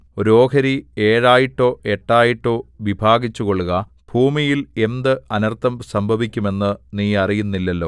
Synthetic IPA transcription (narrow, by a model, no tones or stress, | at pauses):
oɾo̞ːkʰɐɾie̞ːɻaːjiʈːo̞ːʔe̞ʈːaːjiʈːo̞ːʋibʱaːɡit͡ɕːuko̞ɭuɣɐ | b̥ʱuːmijile̞nd̪ɨɐnɐrt̪ʰɐmsɐmbʱɐʋikʲːume̞nːɨniːɐrijunːilːɐlːo̞ː